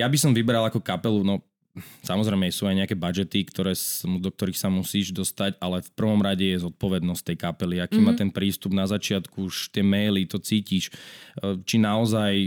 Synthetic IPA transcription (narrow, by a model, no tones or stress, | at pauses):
jabisɔmʋibɛɾalakɔkapɛlunɔ | samɔzɾɛjmɛsuːaɪjɲɛakɛbad͡ʒɛt̪ikt̪ɔɾɛːsmd̪ɔk̚t̪ɔɾixsamusiːʒd̪ɔst̪acalɛfpr̩ʋɔmɾaɟɛjɛzɔt̪̚pɔʋɛd̪nɔstt̪ɛjkapɛliakiːmaːt̪ɛnpɾiːst̪ubnazat͡ʃɪat̪kuuʃt̪ɪɛmɛjlit̪ɔt͡siːciʃ | t͡ʃinaɔzaj